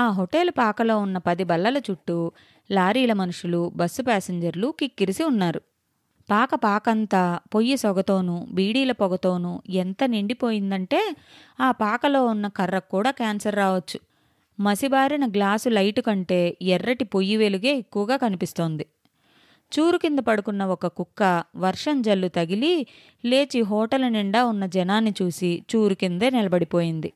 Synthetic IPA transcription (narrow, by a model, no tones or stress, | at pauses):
aːɦoʈelupaːkɐlo̞ːunːɐpɐd̪ibɐlːɐlɐt͡ʃuʈːu | laːɾiːlɐmɐnuʂulubɐsːupaːseɲd͡ʒɐɾlukikːiɾisiunːaːɾu | paːkɐpaːkɐnt̪aːpojːisɔɡɐt̪o̞ːnubiːɽiːlɐpɔɡɐt̪o̞ːnuent̪ɐniɳɖipo̞ːjind̪ɐɳʈe̞ː | aːpaːkɐlo̞ːunːɐkɐrːɐkːuːɽaːkaːnsɐɾːaːʋɐt͡ʃːu̥ | mɐsibaːɾinɐɡlaːsulɐjʈukɐɳʈe̞ːɛrːɐʈipojːiʋeluɡe̞ːekːuʋɐɡaːkɐnipist̪o̞ːnd̪i | t͡ʃuːɾukind̪ɐpɐɽukunːɐɔkɐkukːɐʋɐɾʂɐɲd͡ʒɐlːut̪ɐɡili | le̞ːt͡ʃiɦɔːʈɐlɐniɳɖaːunːɐd͡ʒɐnaːnːit͡ʃuːsit͡ʃuːɾukind̪e̞ːnɛlɐbɐɽipo̞ːjind̪i